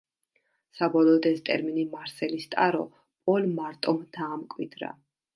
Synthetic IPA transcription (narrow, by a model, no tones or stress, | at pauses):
sabɔlˠɔːd̪ɛst̪ʼɛ̰ɾminimaɾsɛlist̪ʼaɾɔ̰ | pʼɔlmaɾt̪ʼɔmd̪ʰaːmkʼwid̪ɾa̰